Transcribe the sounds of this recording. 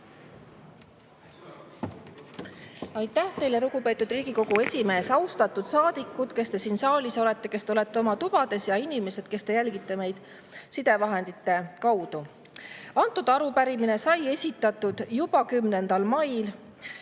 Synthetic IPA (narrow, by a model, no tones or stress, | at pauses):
ɑjt̪ːˑæht̪e̞jleɾukupe̞ːt̪ːˑud̪riːɡ̥iko̞ɡ̥ue̞sʲime̞ːsɑwst̪ɑt̪ːˑud̪̥sɑːd̪̥ikːˑud̪̥ke̞st̪e̞siːnsɑːlʲiso̞le̞t̪ˑːe̞ke̞st̪eole̞t̪ːeo̞mɑt̪ub̥ɑd̪̥e̞sjɑinime̞se̞d̪̥ke̞st̪e̞jælɡit̪ːe̞me̞jd̪̥ | sid̪̥e̞vɑɦe̞nd̪̥it̪ːe̞kɑwd̪̥u | ɑnt̪ˑud̪̥ɑɾupæɾimine̞sɑje̞sʲit̪ːˑɑt̪ːud̪̥jub̥ɑkymne̞nd̪̥ɑlmɑjl